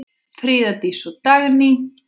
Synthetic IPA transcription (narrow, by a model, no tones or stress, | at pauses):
fɾiːðat̪isɔt̪aɣni